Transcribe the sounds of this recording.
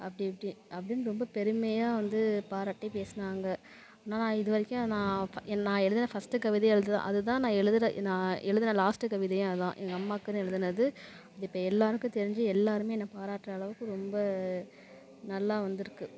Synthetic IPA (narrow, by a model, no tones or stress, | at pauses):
ʔɐpːɐɽɪpːɐɽɪ̃ɐpːɐɽɪnːɯɾɔmbɐpɛɾɯmɐjaːʋɐnd̪ɯpaːɾaːʈːɛpeːsɐnaːŋɡɐ | nːaːnãːɪðɯʋɐɾɪkʲːʊ̃nãːɛnnãːɛɻɯðɯnɐfɐsʈːɯkɐʋɪðɐɛɻɯðɯt̪ã̰ːʔɐðɯt̪̬ãːnãːɛɻɯðɯɾɐnãːɛɻɯðɯnɐlaːsʈɯkɐʋɪðɐj̃ɐɯðã̰ːʔɛŋɡɐɐmːaːkːɯɾɐ̃ɛɻɯðɯnɐðɯ | ɐðɐɪpːɐɛlːaːɾɯkːʊ̃t̪ɛɾɪɲd͡ʒɯɛlːaːɾɯmeːɛnːɐpaːɾaːʈːɾɐɐɭɐʋɯkːɯ̃ɾɔmbɐ | nɐlːaːʋɐnd̪ɪɾɯkːɯ